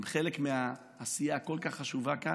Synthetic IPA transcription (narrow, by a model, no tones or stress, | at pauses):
mχelekmeaː | sijako̞lkaχːaʃuvaka